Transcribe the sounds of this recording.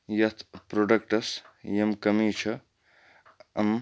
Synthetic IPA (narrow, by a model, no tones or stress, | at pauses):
jɐt̪ʰpɾoɖɐkʈɐsjɐmkɐmit͡ʃʰɐ | ɐm